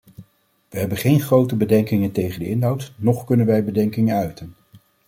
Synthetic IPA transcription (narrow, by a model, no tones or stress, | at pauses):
ʋəɦɛbənχejnχrowtəbədɛŋkɪŋəntejχəndəɪnɦɑwtnɔχkɵnənʋɛjbədɛŋkɪŋənœɥtən